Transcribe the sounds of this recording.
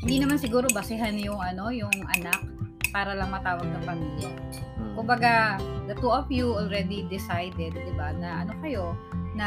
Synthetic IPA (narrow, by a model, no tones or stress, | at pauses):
hɪnd̪iːnɐmansɪɡuːɾo̞bɐsɪɦanjʊŋʔɐno̞jʊŋʔɐ̰nak̚paːɾɐlɐŋmɐt̪aːwɐɡ̚nɐŋpɐmiːljakʊmbɐɡad̪ɐt̪uʔɐfjuolɹɛd̪id̪ɪsajd̪ɛd̪̚ːɪbanɐʔɐno̞kɐjo̞nɐ